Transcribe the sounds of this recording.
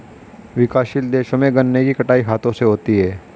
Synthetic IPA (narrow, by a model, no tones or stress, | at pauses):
ʋɪkaːʃild̪eːʃõmẽɡɐnːekikɐʈaːiɦaːt̪õseɦoːt̪iɦɛː